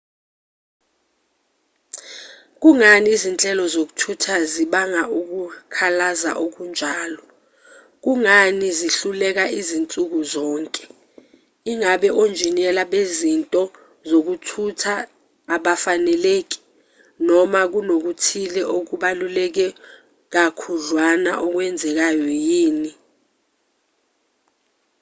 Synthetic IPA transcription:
k̬uŋaniːzint͡ɬʼɛlɔzok̬u̥tʰutʰaziɓaŋaʔuk̬ukʰalaza̰ʔok̬und͡ʒʱaːlɔ | k̬uŋaniziɬulɛk̬aʔizint͡sʼuk̬uzɔːŋkʼɛ̥ | iŋaɓɛʔond͡ʒʱinɛlaɓezintʼɔ | zok̬utʰutʰaː | ɓafanɛleːk̬i̥ | nɔmak̬unok̬utʰilɛʔok̬uɓalulɛk̬ɛ | k̬akʰuɮwana̰ʔɔk̬wɛnd͡zʱɛk̬ajɔjiːni

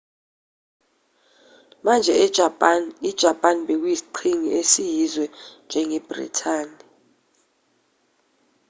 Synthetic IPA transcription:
mand͡ʒʱɛ | id̥ʒ̥ʱapʼaniɓek̬wjisi̥ǃʰiŋiesijizwɛnd͡ʒʱɛŋɛb̥rḭtʰaːni

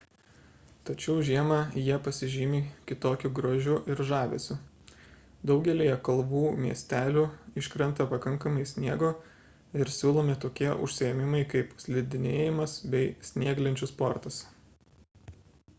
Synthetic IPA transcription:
t̪ɐt͡ʃʲɛʊʒʲiɛmɐjiɛpɐsʲɪʒʲɪːmʲɪkʲɪt̪oːkʲʊɡɾoːʒʲʊʔɪɾʒɑːʋʲḛsʲʊ | d̪ɒʊɡʲɛlʲiːjɛkɐlˠbuːmʲiɛsʲt̪ʲæːlʲuɪʃʲkɾʲɛnt̪ɐpɐkɐŋkɐmɐɪsʲnʲiɛɡoː | ɪɾsʲuːlˠoːmʲɪt̪oːkʲiɛʔʊ̰ʃʲsʲɪjɛmʲɪmɐɪkɐɪpsʲlʲɪd̪ʲɪnʲeːjɪmɐsbʲɛɪsʲnʲiɛɡlʲɪnʲt͡ʃʲʊspɔɾt̪ɐs

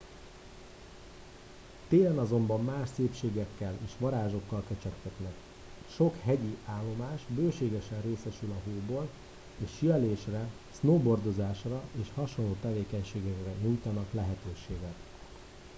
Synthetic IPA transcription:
t̪eːlɛnɒzo̞mbɒmːaːʃseːpʃeːɡɛkːɛleːʃʋɒɾaːʒo̞kːɒlkɛt͡ʃɛkt̪ɛt̪nɛk | ʃo̞khɛɟiaːlːo̞maːʃbøːʃeːɡɛʃɛnreːsɛʃylɒɦoːboːl | eːʃiɛleːʃrɛ | snoːbo̞rd̪o̞zaːʃrɒeːʃhɒʃonloːt̪ɛveːkɛɲʃeːɡɛkrɛɲujt̪ɒnɒklɛɦɛt̪øːʃeːɡɛt̪

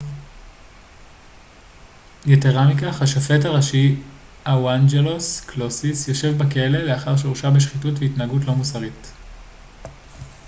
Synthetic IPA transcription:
ɡeteʁamikaχaʃafe̞taʁaʃi | awand͡ʒeloskʰlo̞sisjo̞ʃe̞vbekeele̞leaχaʁʃ̬ʁuʃabeʃχitutveitnaːɡutlo̞musaʁit

